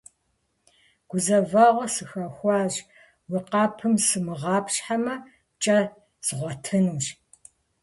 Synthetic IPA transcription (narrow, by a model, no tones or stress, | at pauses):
ɡ̥ʷʊzɐvaːʁʷɔsɨxɐxʷɑːʑ | wiqɑːpʰɨmsɨmɨʁɑːpɕħamɐ | t͡ʃʼɐ | z̥ʁʷɔtʰɨnuːɕ